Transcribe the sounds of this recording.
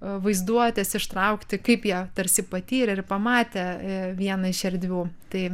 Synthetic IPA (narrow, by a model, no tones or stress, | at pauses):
ʋɐɪzd̪uɔt̪ʲɛsɪʃt̪ɾɐʊkt̪ʲɪkɐɪpjiɛt̪ɐɾʲsʲɪpɐt̪ʲiːɾʲɐɪrpɐmɑːt̪ʲɛʋʲiɛnɐɪʃʲɛɾʲd̪ʲʋʲuːt̪ɐɪ